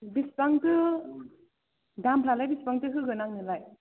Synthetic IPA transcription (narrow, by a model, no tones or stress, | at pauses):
bispaŋtɯ | dampʰlalajbispaŋtɯɦɯɡɯnaŋnɯlaj